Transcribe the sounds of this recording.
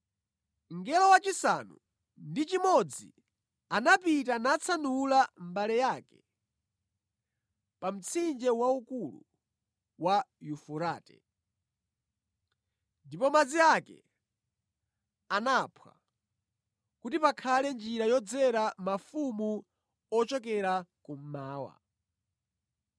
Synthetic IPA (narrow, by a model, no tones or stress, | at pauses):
ŋɡɛlɔwat͡ʃisa̰nu | ndit͡ʃimɔd͡zḭ | anapitanat͡sʰanulambalɛjakɛ̰ | pam̩t͡sʰind͡ʒɛwaukulṵ | wajufuɾa̰ːtɛ̰ | ndipɔmad͡ziakɛ̰ | anapʰwa̰ | kutipakʰalɛnd͡ʒiɾajɔd͡zɛɾamafumu | ɔt͡ʃɔkɛɾakum̩maːwa̰